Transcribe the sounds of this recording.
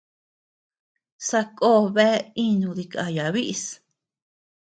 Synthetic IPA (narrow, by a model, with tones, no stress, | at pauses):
sa˧kʼoː˦˨βe˦i˦nũ˧ði˧ka̰˧ja˨βi˦ʔs